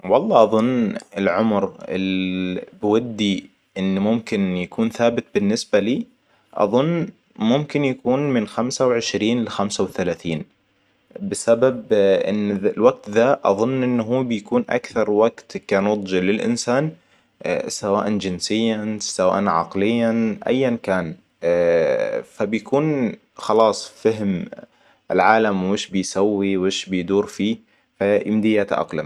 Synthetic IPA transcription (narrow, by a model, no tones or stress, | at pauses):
wɑlˤːɑːʔɑðˤʊnːɪlʕʊmɾɪ̰lbwad̪ːi | ʔɪnːmʊmkɪnjakuːnθaːbɪt̪̚bɪnːɪsbaliː | ʔɑ̰ðˤʊnː | mʊmkɪnjakuːnmɪnxamsawʕɪʃɾiːnlɪxamsawθalaːθiːn | bɪsababʔɪ̰nːðɪlwaɡ̚t̪ðaʔɑ̰ðˤʊnːʔɪnːɦuːbɪjakuːnʔa̰kθɑɾˤwaɡt̪kaːnʊd̪ˤd͡ʒilɪlʔɪ̰nsaːn | sawaːʔand͡ʒɪnsɪjːasawa̰ːʔanʕɑ̰qlɪjːaʔa̰jːankaːn | fabjakuːn | xɑlɑːsˤfaɦm | ʔɪlʕaːlamwɪʃbɪjsawːiwɪʃbɪjd̪uːɾfiː | fajɪmd̪ɪjːaːt̪ʔɑ̰qla̰m